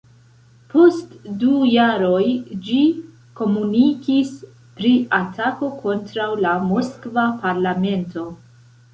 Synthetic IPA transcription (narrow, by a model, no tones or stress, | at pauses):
pʰo̞stdujaɾo̞jd͡ʒi | ko̞munikis | pɾiʔatako̞kʰo̞ntɾawlamoskvapaɾlame̞nto̞